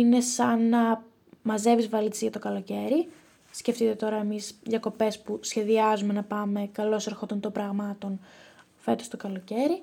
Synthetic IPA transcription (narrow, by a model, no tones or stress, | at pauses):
ine̞sɐnɐ | mɐze̞vizvɐlit̪e̥sʝɐt̪o̞kɐlo̞ce̞ɾi | sce̞ft̪it̪e̞t̪o̞ɾɐemisʝɐko̞pe̞spusçe̞ðiɐzume̞nɐpɐme̞kɐlo̞seɾxo̞t̪ont̪o̞bɾɐɣmɐt̪o̞n | fe̞t̪ost̪o̞kɐlo̞ce̞ɾi